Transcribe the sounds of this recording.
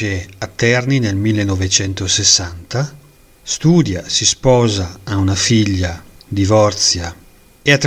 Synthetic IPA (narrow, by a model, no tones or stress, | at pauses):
eat̪ːɛrninelmilːenɔvet͡ʃɛnt̪osesːant̪a | st̪uːd̪jasispɔːzaːunafiʎːad̪ivɔrt̪sja | eat̪ː